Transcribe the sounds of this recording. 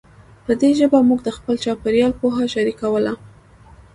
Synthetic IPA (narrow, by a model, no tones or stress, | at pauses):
pəd̪eʒəbamuɡd̪əxpəlt͡ʃɑpeɾjɑlpoɦaʃaɾikawəla